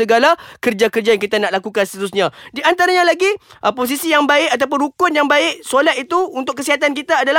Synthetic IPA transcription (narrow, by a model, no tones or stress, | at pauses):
əɡalakərd͡ʒakərd͡ʒajaŋkit̪anaʔlakukanst̪əɾusɲãdiant̪aɾaɲãlaɡiʔəpos̬isijaŋbaɪʔat̪̬ap̬ʊnɾukʊnjaŋbaɪʔsolat̪it̪uunt̪ʊkːəsiɦat̪̬ankit̪aːdala